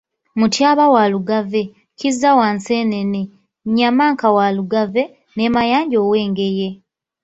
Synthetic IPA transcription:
mutjaːβawaːluɡave̞ | cizːawaːnseːne̞ne | ɲamaːŋkawaluɡave̞ | ne̞ːmajaːɲɟoːwe̞ːŋɡe̞je̞

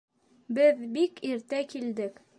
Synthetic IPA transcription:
bɘðbikiɾt̪ækild̪ɘk

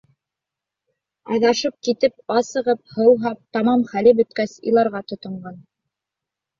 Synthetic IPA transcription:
ɑ̰ðɑʃɤp̚kit̪ɘp̚ɑsɤ̆ʁɤp̚hɤ̆wˠɦɑp̚t̪ɑmɑmχælɘbɵ̆t̪kæsḭlˠɑɾʁɑt̪ŏt̪ŏɴɢɑn

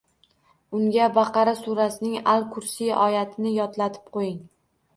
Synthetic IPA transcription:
ʊŋɡʲabɑqʰɑɾasuɾasɪnɪŋalˠkʰʊɾsijɒjat̪ʰɪnɪjɒt̪lat̪ʰɪ̥p̚qʰojɪŋ

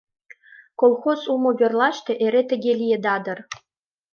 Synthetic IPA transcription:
kolˠxozumoβʲerlˠɑʃt̪ĕʔeɾet̪ɘ̆ɡʲelʲijed̪ɑd̪ɤ̆r

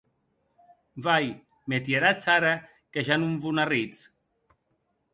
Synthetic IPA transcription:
vaj | met̪jeɾat͡saɾa | keʒanuɱvunarit͡s

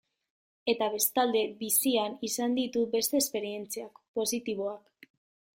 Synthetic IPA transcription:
e̞t̪aβ̞e̞st̪ald̪e̞bisianisand̪it̪ube̞st̪e̞ːspe̞ɾie̞nt͡seakpo̞sit̪iβ̞o̞ak

